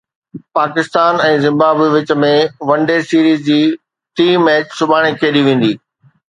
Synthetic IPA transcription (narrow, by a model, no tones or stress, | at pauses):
paːkɪst̪aːnɛ̃ːzɪ̃mbaːbiʋɪt͡ɕə̆mẽʋɐ̃ɳɖesiːɾiːzd͡ʑiː | ʈiːmːɛːt͡ɕsʊbʱaːɽ̃ekʰeːɗiʋẽːn̆d̪iː